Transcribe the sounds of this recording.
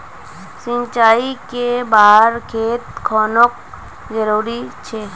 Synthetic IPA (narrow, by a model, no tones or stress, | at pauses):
sɪ̃ɲt͡ʃaːikebaːɾkʰeːt̪kʰɔːnok̚ | d͡ʒəɾuːɾit͡ʃʰe